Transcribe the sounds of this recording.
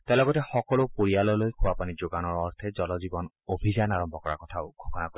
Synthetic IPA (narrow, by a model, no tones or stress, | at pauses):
talɔɡɔtɛxɔkɔlopoɹialɔlojkʰʊwapanizoɡanɔɹɔɹtʰɛzɔlɔzibɔn | obʱizanaɹɔmbʱɔkɔɹa̰kɔtʰaʊɡʱɔkɔnako